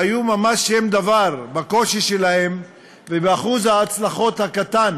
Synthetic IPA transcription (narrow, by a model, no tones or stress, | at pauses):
ajumamaʃːemd̪avaʁbako̞ʃiʃelahe̞m | vebeaχuzaːt͡slaχo̞t̪hakat̪an